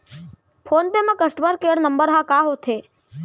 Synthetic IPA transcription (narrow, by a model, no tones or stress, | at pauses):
pʰoːnpemãkəsʈməɾkeɽnəmbəɾɦãkaːɦot̪ʰe